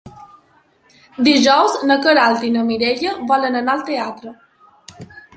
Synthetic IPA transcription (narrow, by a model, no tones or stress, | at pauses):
d̪iʒɔwznəkəɾalt̪inəmiɾeʎəβɔlənənaəlˠt̪eat̪ɾə